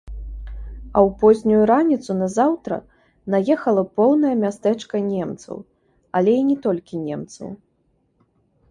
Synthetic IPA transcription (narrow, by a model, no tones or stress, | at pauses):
ɐwpɔzʲnʲujuɾanʲit̪sunɐzawt̪ɾɐ̰ | najɛxɐlˠɐpɔwnɐjɐmʲast̪ɛt͡ʂkɐnʲɛmt̪sɐ̰w | ɐlʲɛinʲɛt̪ɔlʲkʲinʲɛmt̪sɐ̰w